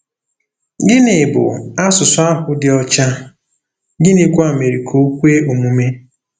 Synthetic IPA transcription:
ɡɪ˦nɪ˨bʊ̰˨a˦sʊ˨sʊ˨˦a˦ɦʊ˦dɪ˨ɔ˦t͡ʃa˦ | ɡɪ˦nɪ˨kʷa˨me˨ɾi˨kʰo˦kʷe˦o˨mu˨me˦

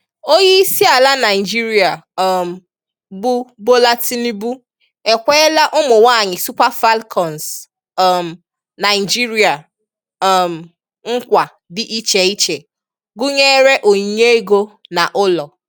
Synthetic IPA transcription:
o˦ji˦si˦a˨la˦na˨ɪ˨d͡ʒi˦ɾi˨a˨˦˨m̩˨ | bʊ˦bo˦la˦ti˦ni˦bu˦ | e˨kʷe˦la˦ʔʊ˦mʊ˨wa˦˨ɲɪ˨su˦pa˦fa˦lkʰɔ˨n˨s | m̩˨ | na˨ɪ˨d͡ʒi˦ɾi˨˦a˨ | m̩˨ | ŋ̩˦kʷa˨ | dɪ˦ʔi˦t͡ʃe˨i˦t͡ʃe˨ | ɡʊ˦ɲe˦ɾe˦ʔo˨ɲ˨ɲe˦e˦ɡo˦na˨ʔʊ˦lɔ˨

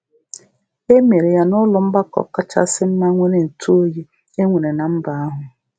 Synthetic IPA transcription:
e˦me˨ɾe˨ja˦nʊ˦lʊ˨m̩˦ba˦kɔ̰˨ka˦t͡ʃa̰˦sɪ˦m̩˦ma˦ŋʷe˦ɾe˨n̩˨tʰu˦o˦ji˦ | e˦ŋʷe˨ɾe˨na˨m̩˦ba˨a˦ɦʊ˨

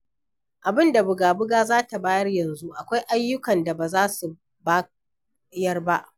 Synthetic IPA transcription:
ʔa˨bɪ˦nda˨bʊ˨ɡaː˨bʊ˦ɡaː˦zaː˦ta˨baː˦jɐ˦rjɐ˨nzu˦ʔa˨kʷa˦jʔa˦jːʊ˦kɐ˨nda˨baː˨zaː˦su˨ | baː˦ | jɐ˦rba˦ʔ

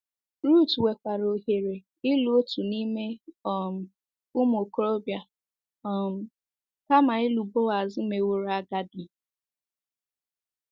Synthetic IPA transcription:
ɾu˦˨twe˨kʷa˨ɾo˨ɦe˨ɾe˨ | ɪ˦lu˦o˦tu˨ni˦me˦ɔ˨m̩˨ | ʊ˦m˦o˨ko˦ɾo˦bja˨ | ɔ˨m̩˨ | ka˦ma˨ɪ˦lu˨bo˦a˨zɪ˦me˨wo˦ɾa˦ɡa˦dɪ˨

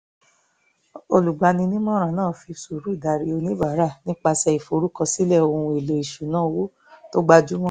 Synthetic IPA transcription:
o˧lu˨ɡ͡ba˧˦nĩ˧nĩ˦mɔ̃˦ɾ̃ã˨nãː˦˨fi˧su˨ɾu˨˦i˦˨da˨ɾi˧o˧nĩ˦ba˨˦ɾa˦˨nĩ˦k͡pa˧sɛ˧i˨fo˨˧˦ɾu˦kɔ˧si˦lɛ˦˨o˧ũ˧e˨le˨i˨ʃu˨nãː˦˨wo˨˦ | to˦ɡ͡ba˦d͡ʒu˦m̃ɔ̃˦

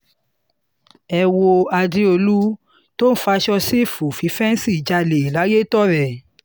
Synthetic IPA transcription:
ɛ˧wo˧a˧di˦o˧lu˦ | to˦fa˧˦ʃɔ˦˧si˦˨fu˨fi˨˦fɛ˦n˦si˦˨d͡ʒa˧le˨i˨la˨˦je˦tɔ˦ɾɛ˨

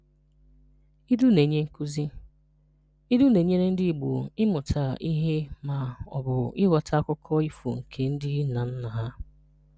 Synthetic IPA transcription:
i˦du˦ne˨ɲe˦ŋ̩˦ku˦zi˦ | i˦du˦ne˨ɲe˦ɾe˦n̩˦dɪ˦˨ɡ͡bʊ̰˨ɪ˦mʊ˨tʰa˨i˦ɦe˦ma˨ɔ̰˨bʊ˨ɪ˦wa˨tʰa˦kʷʊ˦kʰɔ˦i˦fṵ˨ŋ̩˨kʰe˨n̩˦dɪ˦na˨n̩˦na˨ɦa˦

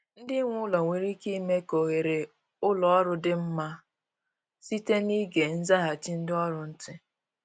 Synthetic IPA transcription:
n̩˦dɪ˦ŋʷʊ˦lɔ˨ŋʷe˨ɾi˦ki˦me˦ko˨ɣe˨ɾe˨ | ʊ˦lɔ˨ɔ˦ɾʊ˦dɪ˦m̩˦ma˦ | si˦te˦ni˦ɡe˨n̩˦za˦ɦa˨t͡ʃi˦n̩˦dɪ˦ɔ˦ɾʊ˨n̩˦tɪ˦

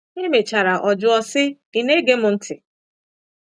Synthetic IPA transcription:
e˦me˨t͡ʃa˨ɾa˨ʔɔ˨d͡ʒʊ˦ɔ˦sɪ˦ | i˨ne˦ɡe˦mʊ˨n̩˦tʰɪ˨

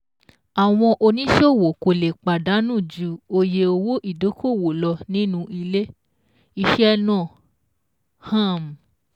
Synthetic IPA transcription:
a˨w̃ɔ̃˧ʔo˧nĩ˦ʃo˦˨wo˨ko˧˨le˨k͡pa˨da˨˦nũ˦˨d͡ʒu˧˦o˧je˧o˧wo˦ʔi˦˨do˨˦kʰo˦˨wo˨lɔ˧nĩ˦nũ˧ʔi˧le˦ | i˧ʃɛ˦nɔ̃˦˨ | hã˦˨m̩˨

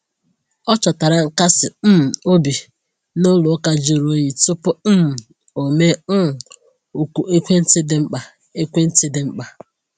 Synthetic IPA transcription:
ɔ˦t͡ʃɔ˨ta˨ɾa˨ŋ̩˨ka˦sɪ˨m̩˦m̩˨o˦bi˨ | no˦lʊ˨˦ka˦d͡ʒi˨ɾo˦ji˨tʊ˦pʊ˦˨ | o˨me˦n̩˦˨ | u˨ku˨ʔe˦kʷe˦n̩˦tɪ˦dɪ˦ŋ͡m̩˦k͡pa˨ | e˦kʷe˦n̩˦tɪ˦dɪ˨˦ŋ͡m̩˦k͡pa˨

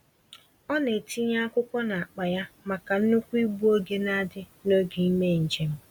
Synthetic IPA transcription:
ɔ˦ne˨ti˦ɲa˦kʷʊ˦kʷɔ˦na˨a˨k͡pa˨ja˦ma˨ka˨n̩˦nu˦kʷu˦i˦ɡ͡bu˦o˦ɡe˦na˦dɪ˦no˦ɡi˨i˦me˦˨n̩˨d͡ʒe˨m̩˦

